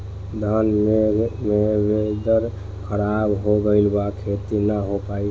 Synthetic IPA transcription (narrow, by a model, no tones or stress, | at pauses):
d̪ʱanemebed̪əɾ | kʰəɾabɦoɡəɪlbakʰet̪inəɦopai